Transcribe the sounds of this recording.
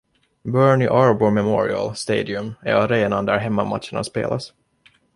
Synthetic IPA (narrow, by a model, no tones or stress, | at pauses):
bœːɳɪʔɑːɹboːmɛmɔɾɪ̰a̰lst̪eːd̪ɪɵmæ̰aɾeːnand̪æɾɦɛmːamat̪ʂəɳa̰spḛːlas